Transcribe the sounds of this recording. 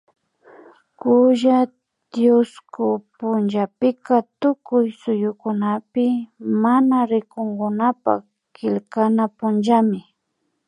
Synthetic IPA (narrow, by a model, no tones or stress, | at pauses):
kʊʒa | d̪jʊskʊpʊnʒapɪkat̪ʊkʊjsʊjʊkʊnapɪmanaɾɪkoŋɡʊnapa̰ | kɪlkanapʊnʒamɪ